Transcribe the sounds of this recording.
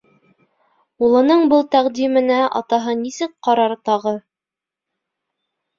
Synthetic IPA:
ulˠɤ̆nɤɴbɤlˠt̪æqd̪imɘ̆næʔɑ̰t̪ɑɦɤnisɘk̚qɑɾɑɾt̪ɑʁɤ

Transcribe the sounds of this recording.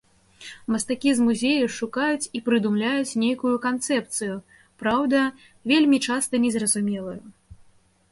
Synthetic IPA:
mɐst̪akʲizmuzʲejɛʂukajut͡sʲipɾɨd̪umlʲajut͡sʲnʲejkujukant̪sɛpt̪sɨju | pɾawd̪ɐ | vʲelʲmʲit͡ʂast̪ɐnʲɛzrɐzumʲɛlˠɐju

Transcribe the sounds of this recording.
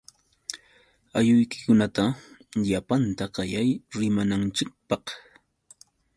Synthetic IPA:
ajʊjkɪ̥kʊnat̪aʎapant̪aɢɑjajɾɪmanant͡ʃɪk̚pɑq

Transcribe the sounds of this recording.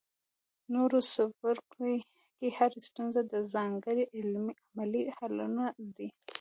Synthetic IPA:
noɾosafaɾk | kehaɾast̪unzad̪əzɑŋɡəɾeʔɪlmiʔamalihalunad̪i

